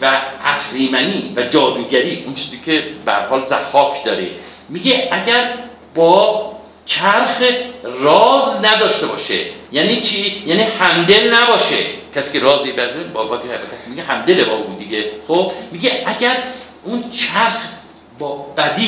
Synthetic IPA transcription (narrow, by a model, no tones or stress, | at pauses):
væʔæxɾiːmæniːvæd͡ʒɒːd̪uɡæɾiːunt͡ʃʰi̥ːziːkʰebehæ̰ɾhɒːlzæxɒːkʰd̪ɒːɾḛ | miɡeʔæɟæɾ | bɒː | t͡ʃʰæɾxrɒːznæd̪ɒːʃt̪e̞bɒːʃḛjæːniːt͡ʃʰijæːniːhæmd̪e̞lnæbɒːʃḛcʰæsiːkeɾɒːzibæzenbbɒt̪bekʲʰæsiːmiɡeɦæmd̪elebɒːbuuːd̪iɡexobmiɡeʔæɡæɾ | unt͡ʃʰæɾx | bɒːb̥æd̪i